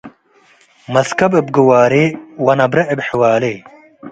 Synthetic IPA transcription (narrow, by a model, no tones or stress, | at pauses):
mɐskɐbeb̚ɡuwaːɾeːwɐnɐbɾɐʔebħiwaːleː